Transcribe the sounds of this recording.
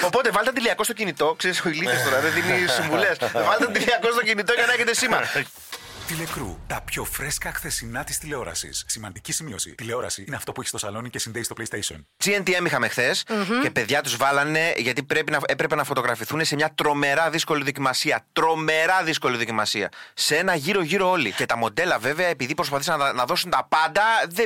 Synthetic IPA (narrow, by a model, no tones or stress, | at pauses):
opo̞t̪evɐlet̪ɐt̪iliɐko̞st̪ocinit̪o̞kse̞ɾisoiliθest̪o̞ɾɐðeðinisiɱvule̞svɐlet̪ɐt̪iliɐko̞st̪ocinit̪o̞ʝɐnɐeçet̪esime | t̪ile̞kɾṵt̪ɐpço̞fɾe̞skɐxθe̞sinɐt̪i̥st̪ile̞o̞ɾɐ̰sḭssimɐnd̪icisimiosḭt̪ile̞o̞ɾɐ̰siineɐft̪o̞puçi̥st̪o̞sɐlo̞nicesinðeist̪o̞plejst̪ejsio̰nd͡zient̪ie̞mixɐme̞xθe̞se̞pe̞ðʝɐt̪uzvɐlɐne̞ʝɐt̪ipɾe̞pinɐe̞pɾe̞pe̞nɐfo̞t̪o̞ɣɾɐfiθune̞se̞mɲɐt̪ɾo̞me̞ɾɐðisko̞liðo̞cimɐsiɐt̪ɾo̞me̞ɾɐðisko̞liðo̞cimɐsiɐ̰see̞nɐʝiɾo̞ʝiɾo̞o̞lice̞t̪ɐmo̞d̪e̞lɐve̞ve̞ɐepiðipɾospɐθis̬ɐnnɐðo̞sunt̪ɐpɐnd̪ɐðe